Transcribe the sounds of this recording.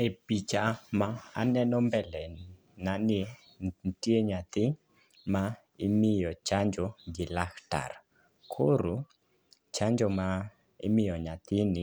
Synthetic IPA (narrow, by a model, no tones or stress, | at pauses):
epit͡ʃamaa̰nɛnɔmbɛlɛ | nani | ntieɲat̪ɪ | ma | ɪmɪjɔt͡ʃaɲd͡ʒoɡɪlakta̰r | kʰoɾu | t͡ʃaɲd͡ʒɔma | ɪ̰mɪjɔɲat̪ɪnɪ